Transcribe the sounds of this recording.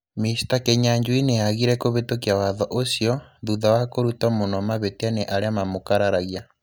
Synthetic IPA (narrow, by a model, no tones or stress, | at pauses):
misi̥takeɲaɲd͡ʒuineaɣiɾɛkoβetokiawaðɔʔosjɔðuðawakoɾutamonɔmaβetianeʔaɾeamamokaɾaɾaɣia